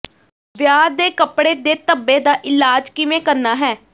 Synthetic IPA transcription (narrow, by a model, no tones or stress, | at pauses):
ʋjaːɾd̪eːkəpɽeːd̪eːt̪əbːeːd̪aːʔɪlaːd͡ʒkɪʋẽːkəɾnaːɦɛː